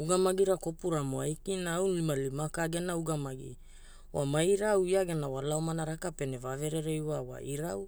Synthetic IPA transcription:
uɡamaɡiɾakopuɾamoajkinawlimalimakaɡenauɡamaɡḭ | wamajɾawiaɡenawalaomanaɾakapenevaveɾeɾejwawa̰ʔiɾaw

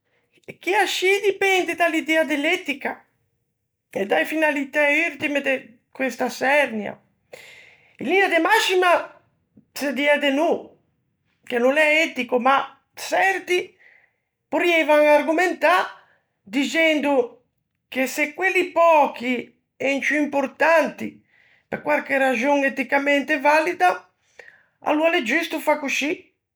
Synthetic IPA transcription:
k̟iaʃid̪ipɛnd̪ed̪alid̪ɛad̪elːɛt̪ika | ed̪ajfinalit̪ɛyɾt̪imed̪e | kwest̪asɛrnja̰ | ilːinad̪emasima | sed̪iɛd̪enu | kenunɛɛt̪ikoma | sɛrt̪i | poɾiɛjvaŋaɾɡument̪a | d̪it͡ʃɛnd̪u | kesekwelːipɔki | ɛnt͡ʃuimpoɾt̪ant̪i | peɾkwaɾkerːad͡ʒoŋet̪ikamɛnt̪evalid̪a | a̰lualed͡ʒist̪ufakuʃi

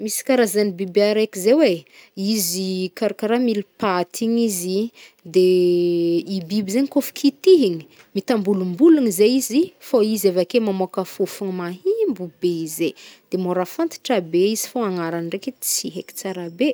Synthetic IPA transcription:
misi̥kaɾazanibibeaɾekizeweizikaɾakaɾamilipat̪ʰiɲizi | d̪e | ibibizeɲikofu̥kʰit̪iɦiɲi̥ | mit̪ambulumbuluŋizeizifoizevakemamoakafufuŋimaɦimbubeized̪̥emoɾafant̪i̥ʈ͡ʂabeizi̥foaŋaɾanireket͡siɦeki̥t͡saɾabe

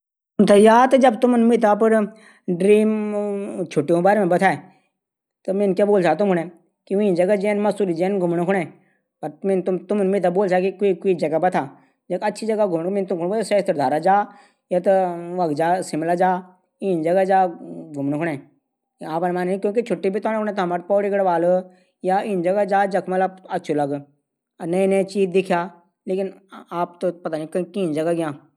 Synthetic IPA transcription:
t̪ʊmt̪ʰajaːt̪ɐd͡ʒɐbt̪ʊmnmɪt̪̬ʰapəɾ | ɖɾiːm | t͡ʃʰoːʈijõːbaːɾeːmẽbɐt̪ʰaːe | t̪omenkjaːboːlt͡ʃaːt̪ʊmkʊnẽː | kiʋd͡ʒɐɡad͡ʒeːnmɐsuːlid͡ʒeːnɡʱʊmnkʰʊɳẽː | pɐɾmɪnt̪ʊt̪ʊmnmɪt̪̬ʰaboːlsaːkikːikoid͡ʒɐɡabɐt̪ʰaː | d͡ʒɐkɐtːʃʰid͡ʒɐɡaɡʱʊmɳmɪnt̪ʊmkʊnosəst̪əɾd̪ʱaːɾad͡ʒaː | jat̪oʋɐɡd͡ʒaːsɪmlad͡ʒaː | iːnd͡ʒɐɡad͡ʒaːɡʱʊmnkʰʊɽɛ̃ː | aːpːnmaːnnĩkjõːkit͡ʃʰʊʈːibʱit̪ɔːnkʰʊɽ̃ẽt̪oɦɐmaɾpɔːɽiɡɐɽʋaːl | jaːɪːnd͡ʒɐɡad͡ʒaːd͡ʒɐkʰmɐt̪ləb̚ɐtːʃʰulɐɡ | nəĩnət͡ʃiːd̪ɪkʰjaː | leːkɪnaːpt̪opɐt̪aːnĩkkiːnd͡ʒɐɡaɡɪjãː

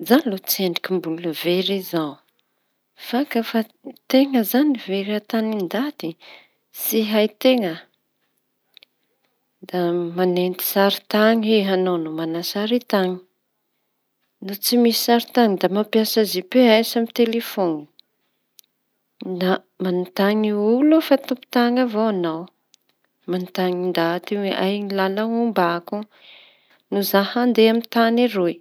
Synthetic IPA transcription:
zanlot͡sieɳɖ͡ʐikʲimbuluveɾiza | fakəfat̪eŋəzaniveɾat̪anind̪at̪i | siɦajt̪eŋə | d̪amanent̪i̥saɾi̥t̪aŋeɦanawnumanasaɾit̪aŋi̥ | nut͡simisi̥saɾit̪aŋid̪amapjasazipeajsamit̪elefoni | na | manit̪aɲiulufat̪upi̥t̪aŋavowanaw | mant̪aŋind̪at̪iweʔajɲilalaumbaku | nuzahand̪eamint̪aniɾoj

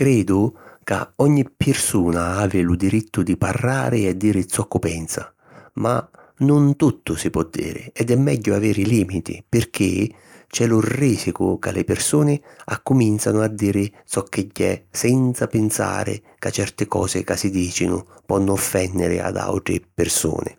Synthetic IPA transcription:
kɾɛːd̪ʊka̰ɔɲːipːɪrsuːnaaːvɪlʊd̪iɾit̪ʰːʊd̪iparːaːɾɪad̪ːiːɾɪt̪sɔkːʊpɛnsa | ma | nʊnt̪ut̪ːʊsipwɔd̪ːḭːɾɪ̰ɛd̪ɛmːɛɟːʊavɛːɾiliːmit̪ḭpɪrk̟ɪ | t͡ʃɛlʊrːiːsikʊ̰kalɪpɪrsuːnɪakːʊmint̪sanʊad̪ːiːɾɪt̪sɔkʰːɪɟːɛsɛnt̪sapɪnsa̰ːɾɪ̰ | kat͡ʃːɛrt̪ɪkɔ̰ːsɪkasid̪iːt͡ʃinʊ̰pɔnːʊɔfːɛnːɪɾɪ̰a̰d̪a̰wt̪ɾɪpɪrsṵːnɪ̰

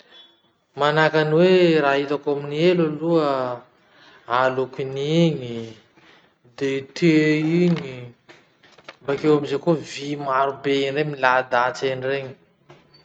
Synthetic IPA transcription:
manakaniweɾaɦit̪akaminielaluə | alukiniɲi | d̪et̪ʰeiɲi | bakewamizekovimaɾubeinremilad̪at͡senreɲi̥

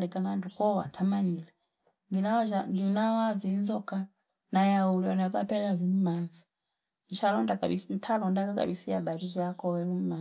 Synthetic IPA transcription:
likanaantʰukɔwa̰ntʰamanila | nɡinat͡ʃandinawazinzɔka | najaulianakapɛlazimumanzi̥ | ndit͡ʃʰalɔndaka̰ɓistʰalɔndakaka̰ɓisiaɓaɾizʷakɔwɛɾum̩ma

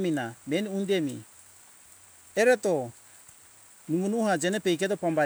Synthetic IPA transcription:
minamɛniundemḭ | ɛɾɛt̪ɔ | numunuhad͡ʒɛnɛpɛjk̬ɛtɔpamba

